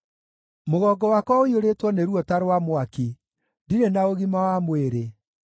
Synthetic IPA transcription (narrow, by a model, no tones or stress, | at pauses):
moɣɔːɡɔwakwɔoioɾetwɔneɾuɔtaɾwamwaki | diɾenaoɣimawamweɾe